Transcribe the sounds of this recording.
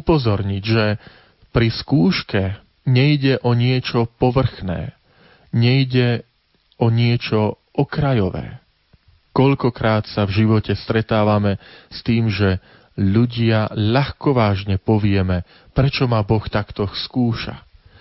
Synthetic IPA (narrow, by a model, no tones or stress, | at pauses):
upɔzɔɾɲiɟʒɛ | pɾiskuːʃkɛ | ɲɛjɟɛʔɔɲɪɛt͡ʃɔpɔʋr̩xnɛ̰ː | ɲɛjɟɛ | ɔɲɪɛt͡ʃɔʔɔkɾajɔʋɛ̰ː | kɔʎkɔkɾaːt̪savʒiʋɔcɛst̪ɾɛt̪aːʋamɛst̪iːmʒɛ | ʎuɟɪaʎaxkɔʋaːʒɲɛpɔʋɪɛmɛ | pɾɛt͡ʃɔmabɔxt̪akt̪ɔskuːʃa̰